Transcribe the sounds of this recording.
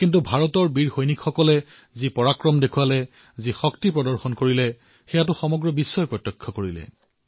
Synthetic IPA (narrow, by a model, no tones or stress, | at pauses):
kintubʱaɹɔtɔɹbiɹxojnikxɔkɔlɛ | zipɔɹakɹɔmdekʰuwalɛ | zixɔktipɹɔdɔɹxɔnkoɹilɛ | xɛjatʊxɔmɔɡɹɔbisːɔjpɹɔtːjɔkʰːɔkoɹilɛ̰